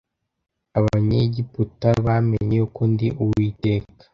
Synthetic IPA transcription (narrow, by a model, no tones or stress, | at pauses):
aβaɲeɟiputaβameɲejukondiʔuwiːteːkḁ